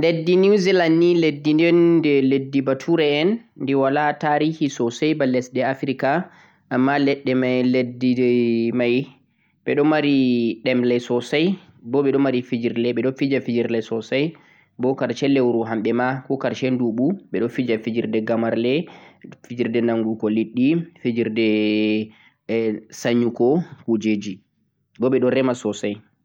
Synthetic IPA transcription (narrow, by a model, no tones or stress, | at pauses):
ledːinuzilandiledːindɛndɛledːibatʰuɾɛɛnːdɛwalataɾihisɔsajbalɛsɗɛafɾika | ʔːmːalɛɗːɛmajledːimaj | ɓɛɗɔmaɾiɗɛmlɛsɔsaj | bɔɓɛɗɔmaɾifid͡ʒiɾlɛɓɛɗɔfid͡ʒafid͡ʒiɾlɛsɔsaj | bɔkaɾt͡ʃɛlewɾuɦamɓɛmakɔkaɾt͡ʃɛnduɓuɓɛɗɔfid͡ʒafid͡ʒiɾdɛɡamaɾlɛfid͡ʒiɾdɛnaŋɡukɔliɗːifid͡ʒiɾdɛ | saɲːukɔkud͡ʒed͡ʒi | bɔɓɛɗɔɾɛmasɔsaj